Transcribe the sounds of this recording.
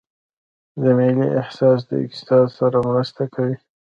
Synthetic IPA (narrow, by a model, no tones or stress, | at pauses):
zamiliʔɪhsɑs̬d̪ə̰ɪ̰k̚t̪ɪ̥sɑd̪saɾamɾəst̪akʰawi